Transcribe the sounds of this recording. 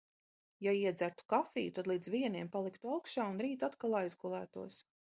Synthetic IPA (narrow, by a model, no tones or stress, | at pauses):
jaiɛd̪zæɾt̪u̥kafḭːjut̪ad̪lˠiːd̪zviɛniɛmpalˠikt̪uawkʃaːunɾiːt̪at̪kalˠajzɡulˠæːt̪uɔs